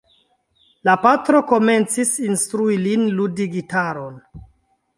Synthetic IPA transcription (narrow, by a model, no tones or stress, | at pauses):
lapatɾo̞ko̞me̞nt͡sisinstɾuilinludiɡitaɾo̞n